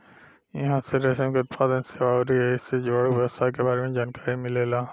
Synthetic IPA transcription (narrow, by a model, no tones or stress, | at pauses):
jɐ̰ɦãseɾɐʃə̃mkət̪ːfaːd̪ənseʋaːɾiɦɛɪsed͡ʒoːɽuʋəst̪akebaːɾemẽd͡ʒaːnkaːɾimɪlelaː